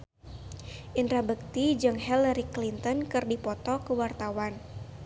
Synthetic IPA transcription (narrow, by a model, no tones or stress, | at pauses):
ʔind̪ɾabək̚t̪id͡ʒɨŋɦɛlaɾiklint̪ɔnkɨrdipɔt̪ɔkəwart̪awan